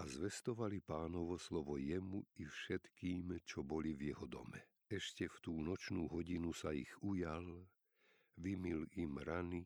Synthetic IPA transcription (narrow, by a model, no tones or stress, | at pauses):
azʋɛst̪ɔʋalipaːnɔʋɔslɔʋɔjɛmuifʃɛt̪kiːmt͡ʃɔbɔlivjɛɦɔd̪ɔ̰mɛ | ɛʃcɛft̪uːnɔt͡ʃnuːɦɔɟinusaḭɣujal | ʋimilimɾani